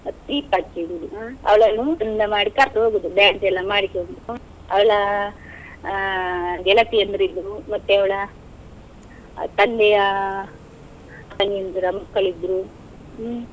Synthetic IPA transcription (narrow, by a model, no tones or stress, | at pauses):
ɐt̪iːpat͡ʃːiɡud̪uaɐ̰ʋɐɭɐnːuinːɐmaːɽikɐɾt̪ɐɦoːɡud̪ubaɐɳʈɛlːɐmaːɽikond̪ɾu | ɐʋɐɭɐ | ɡɛlɐt̪iɐnd̪ɐɾid̪ːɾumɐt̪ːuɐʋɐɭɐ | t̪ɐnd̪ɛjɐ | k̪ɐŋɡiɐnd̪ɐɾɐmɐkːɐɭid̪ɾu